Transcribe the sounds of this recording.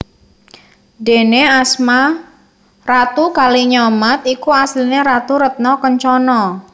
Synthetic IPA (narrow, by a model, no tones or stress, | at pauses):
d̥e̤neasma | rat̪ukaliɲɔmat̪ikuaslineɾat̪uɾət̪̚nɔkəɲt͡ʃɔnɔ